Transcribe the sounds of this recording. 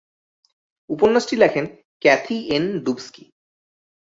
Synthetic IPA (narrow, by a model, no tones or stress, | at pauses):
uponːasʈilɛkʰen | kɛt̪ʰienɖubski